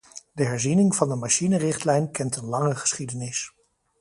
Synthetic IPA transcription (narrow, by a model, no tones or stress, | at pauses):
dəɦɛɹzinɪŋvɑndəmaʃinərɪχtlɛjnkɛntənlɑŋəχə̥sχidənɪs